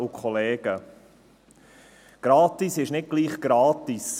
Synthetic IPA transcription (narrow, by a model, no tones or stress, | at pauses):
ukʰχɔlɛːɡ̥ə | ɡ̥ɾɑːt̪isɪʃnɪt̚ɡ̥liːχɡ̥ɾɑːt̪is